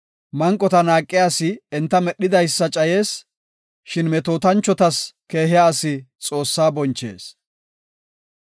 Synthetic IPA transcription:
mɐŋkʼːɔt̪ɐnaːkʼːɪjaːsɪɛnt̪ːɐmɛɗːɪd̪ɐjsːɐt͡ʃʼɐje̞ːs | ʃɪnmɛt̪oːt̪ɐnt͡ʃːɔt̪ɐske̞ːɦɪjaːsɪt͡sʼo̞ːsːaːbɔnt͡ʃːe̞̰ːs

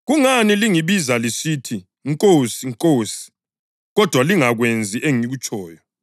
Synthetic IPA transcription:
ɣuŋaniliŋiβizalisiːtʰi | ŋkʼosiŋkʼoːsi̥ | ɣɔd̥ʱwaliŋaɣwend͡zʱiʔeŋiɣut͡ʃʰʼɔːjɔ

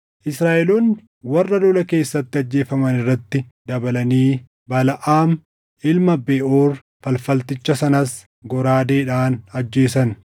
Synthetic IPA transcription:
ʔɪsɾaːʔɛloːnːɪ | wɐrːɐd̪ɔlɐke̞ːsːɐt̪ːɪɐd͡ʒːe̞ːfɐmɐnɪrːɐt̪ːɪd̪ɐbɐlɐniː | bɐlɐʔaːm | ʔɪlmɐbeːʔoːr | fɐlfɐlt̪ɪt͡ʃːɐsɐnɐs | ɡɔɾaːd̪e̞ːᶑaːnɐd͡ʒːe̞ːsɐn

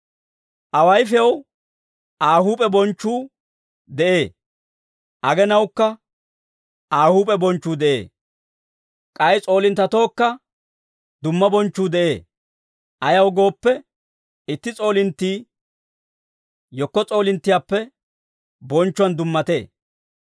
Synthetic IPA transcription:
ʔɐwɐjfɛɐw | ʔaːhuːpʼɛbɔnt͡ʃːuː | d̪ɛʔeː | ʔɐɡɛnɐwkːɐ | aːhuːpʼɛbɔnt͡ʃːuːd̪ɛʔḛː | kʼɐjt͡sʼo̞ːlɪnt̪ːɐt̪o̞ːkːɐ | d̪ʊmːɐbɔnt͡ʃːuːd̪ɛʔe̞ː | ʔɐjɐwɡo̞ːpːɛ | ɪt̪ːɪt͡sʼo̞ːlɪnt̪ːiː | jɔkːɔt͡sʼo̞ːlɪnt̪ːɪjaːpːɛ | bɔnt͡ʃːʊwɐnd̪ʊmːɐt̪e̞̰ː

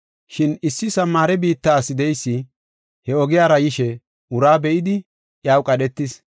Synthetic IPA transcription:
ʃɪnɪsːɪsɐmːaːɾɛbiːt̪ːaːsɪd̪ɛjsːɪ | hɛɔɡɪjaːɾɐjɪʃɛ | ʊɾaːbɛʔɪd̪ɪ | jaːwkʼɐɗɛt̪ːɪs

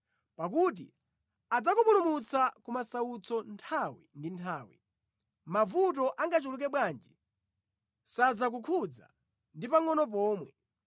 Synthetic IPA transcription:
pak̬ut̬ḭ | ad͡zakupulumut͡sakumasaut͡sɔntʰawḭndintʰaːwḭ | mavut̬ɔʔaŋɡat͡ʃuluk̬ɛɓwaːnd͡ʒi | sad͡zak̬ukʰud͡za̰ | ndipaŋɔnɔp̬ɔːmwɛ

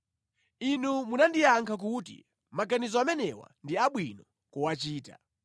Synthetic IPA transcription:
inumunandijaŋkʰak̬utḭ | maɡanizɔamɛnɛwa̰ndiaɓwinɔ | kuwat͡ʃiːta̰

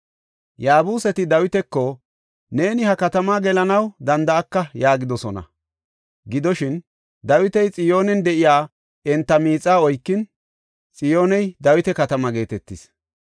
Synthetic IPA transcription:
jaːbuːsɛt̪ɪd̪ɐwɪt̪ɛkːɔ | ne̞ːnɪhɐkɐt̪ɐmaːɡɛlɐnɐwd̪ɐnd̪ɐːkːɐjaːɡɪd̪ɔsɔnɐ̰ | ɡɪd̪ɔʃɪn | d̪ɐwɪt̪ɛjt͡sʼɪjo̞ːnɛnd̪ɛʔɪjaː | ɛnt̪ːɐmiːt͡sʼːaːɔjkːɪn | t͡sʼɪjo̞ːnɛjd̪ɐwɪt̪ɛkɐt̪ɐmɐɡe̞ːt̪ɛt̪ːɪs

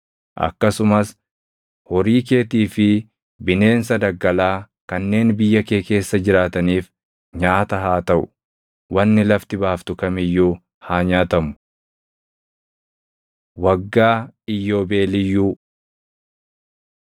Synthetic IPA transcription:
ʔɐ̰kːɐsʊmɐs | hɔɾiːk̬e̞ːt̪iːfɪ | bɪne̞ːns̬ɐd̪ɐɡːɐlaː | kɐnːe̞ːnbɪjːɐke̞ːke̞ːsːɐd͡ʒɪɾaːt̪ɐniːf | ɲaːt̪ɐɦaːt̪ɐʔʊ̰ | wɐnːɪlɐft̪ɪbaːft̪ʊkɐmɪjːuː | haːɲaːt̪ɐmʊ̥ | wɐɡːaːɪjːo̞ːbe̞ːlɪjːuː

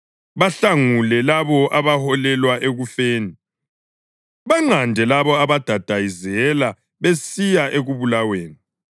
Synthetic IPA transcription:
βaɬaŋulɛlaβɔʔaβahɔlɛlwaʔeɣufeːni | βaŋ͡ǀandʱɛlaβɔaβad̥ʱad̥ʱajizɛla | βesijaʔeɣuβulaweːni

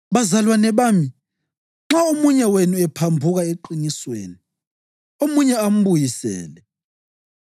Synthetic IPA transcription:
βazalwanɛβami | ŋ͡ǁaomuɲɛwenuɛpʰambʱuɣaeǃiniswḛːni | omuɲɛam̩βujisɛ̰ːlɛ

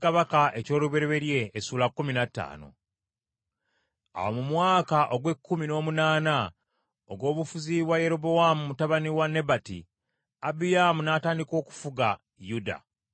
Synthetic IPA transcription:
kaβakaʔe̞co̞ːluβe̞ɾeβe̞ɾje̞ːsuːlakːuminatːa̰ːno̞̰ | a̰womumwaːkaʔo̞ɡwe̞kːumino̞ːmunaːna | oɡo̞ːβufuziβwaje̞ɾo̞bo̞wamumutaβaniwanːe̞batḭ | abijamunaːtaːndiko̞ːku̥fuɡa | juda̰

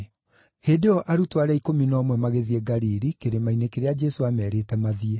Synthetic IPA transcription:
hedeɔʔaɾutwaɾaikominɔmwɛmaɣeðieɡaɾiɾikeɾemainekeɾead͡ʒɛsoamɛɾeːtɛmaðiɛ

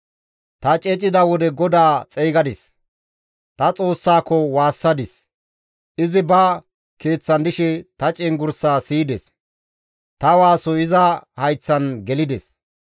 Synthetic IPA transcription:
t̪ɐt͡ʃʼɛt͡ʃʼɪd̪ɐwɔd̪ɛɡɔd̪aːt͡sʼɛjɡɐd̪ɪs | t̪ɐt͡sʼo̞ːsːaːkːɔwaːsːɐd̪ɪs | ʔɪzɪbɐ | ke̞ːt͡sːɐnd̪ɪʃɛt̪ɐt͡ʃʼɛŋɡʊɾsaːsiːd̪ɛs | t̪ɐwaːsɔɪzɐhɐjt͡sːɐnɡɛlɪd̪ɛs

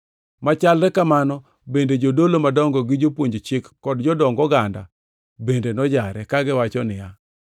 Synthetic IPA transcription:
mat͡ʃalɾɛkamanɔ | bended͡ʒodolomadɔŋɡɔɡɪd͡ʒopwoɲd͡ʒt͡ʃɪkːɔdd͡ʒɔdɔŋɡɔɡanda̰ | bendenɔd͡ʒaɾɛkaɡɪwat͡ʃɔnɪja

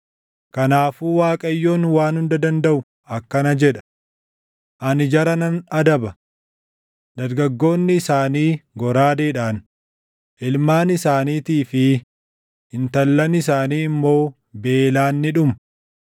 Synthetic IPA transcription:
kɐnaːfuːwaːkʼɐjːoːnwaːnhʊnd̪ɐd̪ɐnd̪ɐʔʊ | ʔɐkːɐnɐd͡ʒɛᶑɐ̥ | ʔɐnɪd͡ʒɐɾɐnɐnɐd̪ɐbɐ | d̪ɐɾɡɐɡːo̞ːnːɪːsaːniːɡɔɾaːd̪eːᶑaːn | ʔɪlmaːnɪsaːniːt̪iːfɪ | ɪnt̪ɐlːɐnɪs̬aːniːɪmːo̞ː | be̞ːlaːnːɪᶑʊmɐ

